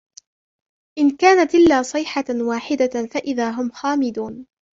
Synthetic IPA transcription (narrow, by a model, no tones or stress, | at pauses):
ʔɪnkaːnat̪ʔɪlːaːsˤɨːħawaːħɪd̪afaʔɪðaːɦʊmxaːmɪd̪uːn